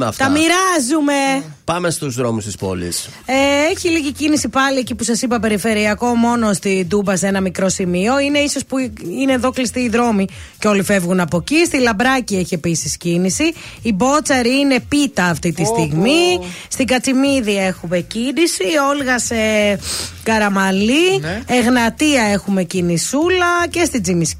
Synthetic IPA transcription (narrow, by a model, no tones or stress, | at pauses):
ɐ̰ft̪ɐmiɾɐzume̞pɐmest̪uzðɾomust̪ispo̞̰lḭs | eeçiliʝicinisipɐlie̞cipusɐsipɐpe̞ɾife̞ɾiɐko̞mo̞no̞st̪id̪ubɐse̞nɐmikɾo̞simio̞ine̞iso̞spuine̞ːðo̞klist̪iːðɾo̞mi | ceo̞life̞vɣunɐpo̞cist̪ilɐbɾɐcieçie̞pisiscinisiːbo̞t͡sɐɾiine̞pit̪ɐːft̪it̪ist̪iɣmi | st̪iɡɐt͡simiðie̞xume̞cinisio̞lɣɐse̞ | kɐɾɐmɐlieɣnɐt̪iɐe̞xume̞cinisulɐce̞st̪id͡zimis